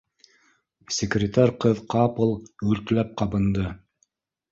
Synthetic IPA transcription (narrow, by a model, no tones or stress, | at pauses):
sʲɪkrʲɪt̪aɾʲqɤðqɑpɤ̆lˠʉɾklæp̚qɑbɤ̆nd̪ɤ